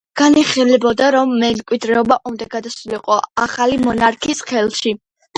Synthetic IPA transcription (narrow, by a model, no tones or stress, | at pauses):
ɡ̥aniχilɛbɔd̪aɾɔmːɛmkʼwid̪ɾɛɔbaʔumd̪aɡad̪asuliqʼɔaχalimɔnaɾkʰisχɛlˠʃi